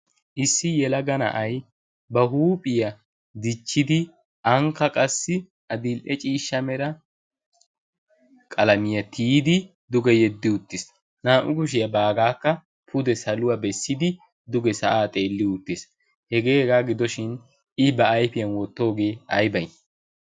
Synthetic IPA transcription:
ʔɪsːɪjɛlɐɡɐnɐ̰ʔɐj | bɐɦuːpʼɪjɐ | d̪ɪt͡ʃːɪd̪ɪ | ʔɐŋkːɐkʼɐsːɪ | ʔɐd̪ɪlʔɛt͡ʃʼiːʃːɐmɛɾɐ | kʼɐlɐmɪjɐt̪ʰiːd̪ɪ | d̪ʊɡɛjɛd̪ːɪʊt̪ːɪs | naːʔʊɡʊʃ̬ɪjɐbaːɡaːkːɐ | pʰʊd̪ɛsɐlʊwabɛsːɪd̪ɪ | d̪ʊɡɛsɐʔaːt̪ʼe̞ːlːɪʊt̪ːɪs | hɛɡe̞ːhɛɡaːɡɪd̪ɔʃɪn | ɪbɐːjfɪjɐnwɔt̪ːo̞ːɡe̞ːɐjbɐj

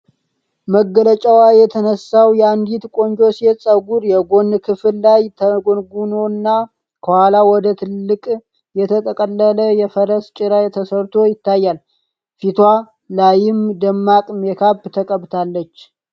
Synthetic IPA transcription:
məɡːələt͡ʃʼawajɛt̪ʰənəsawjɛand̪it̪kʼo̞ɲd͡ʒo̞sesʼəɡuɾjɛɡo̞nkʰɨfɨlːajt̪ʰəɡonɡuno̞nːa | kʰəhalawɔd̪ət̪ʰɨlːɨkʼ | jɛt̪ʰət̪ʼʰəkʼəlːələjɛfəɾəst͡ʃʼɪɾaet̪ʰəsəɾt̪ʰo̞jɪt̪ːajːal | fit̪ʰwa | lajɪmd̪əmːakʼmekʰabt̪ʰəkʼəβt̪ʰalːət͡ʃː

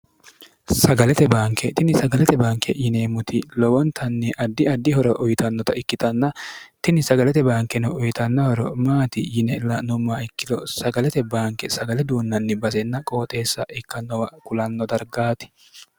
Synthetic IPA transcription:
sɐɡɐlɛt̪ɛbaːŋkːɛt̪ɪnɪsɐɡɐlɛt̪ɛbaːŋkːɛjɪneːmʊt̪ɪlɔwɔnt̪ʰɐnːɪʔɐd̪ːɪɐd̪ːɪhɔɾɔʔʊjt̪ɐnːɔt̪ɐɪkːɪt̪ɐnːɐt̪ɪnɪsɐɡɐlɛt̪ɛbaːŋkːɛnɔʊjt̪ɐnːɐhɔɾɔmaːt̪ɪjɪnɛlːɐnʊmːaːɪkːɪd̪ɔsɐɡɐlɛt̪ɛbaːŋkːɛsɐɡɐlɛd̪uːnːɐnːɪbɐsɛnːɐkʼo̞ːt̪ʼe̞ːsːɐʔɪkːɐnːɔwɐkʊlɐnːɔd̪ɐɾɡaːt̪ɪ̥

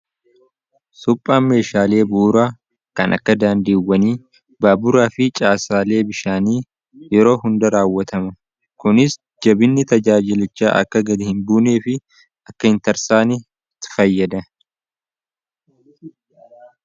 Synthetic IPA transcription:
sʊpʼːaːnme̞ːʃaːle̞ːbuːɾaː | kɐnʔɐ̰kːɐd̪aːnd̪iːwːɐniː | baːbʊɾaːfɪt͡ʃʼaːsaːle̞ːbɪʃaːniː | jɛɾo̞ːɦʊnd̪ɐɾaːwːɐt̪ɐmɐ | kʊnɪs | d͡ʒɐbɪnːɪt̪ɐd͡ʒaːd͡ʒɪlɪt͡ʃːa̰ːʔɐ̰kːɐɡɐd̪ɪhɪnbuːneːfɪ | ɐkːɐhɪnt̪ɐɾsaːnɪ | t̪ɪ̥fɐjːɐd̪ɐ

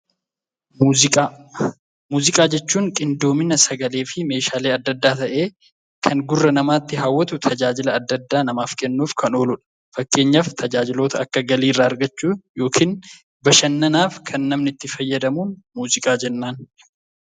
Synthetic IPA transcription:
ɪa | muːzɪkʼaːd͡ʒɛt͡ʃːuːŋkʼɪnd̪o̞ːmɪnɐsɐɡɐle̞ːfɪme̞ːʃaːleːɐd̪ːɐd̪ːaːt̪ɐʔe̞ː | kʰɐŋɡʊrːɐnɐmaːt̪ːɪɦaːwːɐt̪ʊt̪ʰɐd͡ʒaːd͡ʒɪlɐːd̪ːɐd̪ːaːnɐmaːfkɛnːuːfkʰɐno̞ːlʊᶑɐ̥ | fɐkːe̞ːɲːɐft̪ʰɐd͡ʒaːd͡ʒɪlo̞ːt̪ʰɐɐkːɐɡɐliːrːaɐɾɡɐt͡ʃːuːjo̞ːkʰiːn | bɐʃɐnːɐnaːfkʰɐnːɐmnɪt̪ːɪfɐjːɐd̪ɐmuːnmuːzɪkʼaːd͡ʒɛnːaːn

